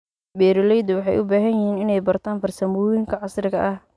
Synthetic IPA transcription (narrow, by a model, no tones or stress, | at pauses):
bɛːɾɪlɛjd̪ɐwɑħɑjʔʊbaːɦɐnjɪhiːnɪnɛjbɐrt̪ʰaːnfɐrsɐmʊːjɪŋkʰɐʕɑsrɪɣɐʔɐh